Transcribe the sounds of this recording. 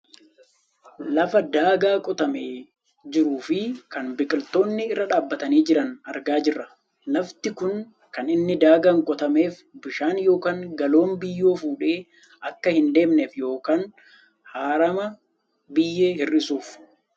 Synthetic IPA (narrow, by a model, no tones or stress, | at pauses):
lɐfɐd̪aːɡaːkʼɔt̪ɐmeː | d͡ʒɪɾuːfɪkɐnbɪkʼɪlt̪o̞ːnːɪɪrːɐᶑaːbːɐt̪ɐniːd͡ʒɪɾɐnɐɾɡaːd͡ʒɪrːɐ | lɐft̪ɪkʊn | kɐnɪnːɪd̪aːɡɐŋkʼɔt̪ɐme̞ːf | bɪʃaːnjo̞ːkaːŋɡɐlo̞ːmbɪjːo̞ːfuːᶑe̞ː | ʔɐkːɐhɪnd̪e̞ːmneːfjo̞ːkaːn | haːɾɐmɐ | bɪjːeːhɪrʔɪsuːf